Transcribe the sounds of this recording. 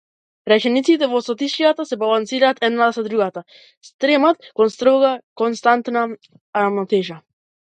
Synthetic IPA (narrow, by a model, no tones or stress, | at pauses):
ɾɛt͡ʃɛnit̪sit̪ɛvɔsat̪iʃijat̪asɛbalˠansiɾaːt̪ʰɛd̪nat̪asad̪ɾuɡat̪a | st̪ɾɛmat̪kɔnst̪ɾɔɡakɔnst̪ant̪na | aɾamnat̪ɛʒa